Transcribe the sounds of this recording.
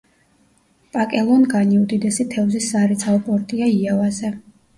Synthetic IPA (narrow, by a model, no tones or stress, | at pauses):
pʼakʼɛlˠɔnɡaniud̪id̪ɛsit̪ʰɛvzisːaɾit̪sʰaɔpʼɔɾt̪ʼiaiavazɛ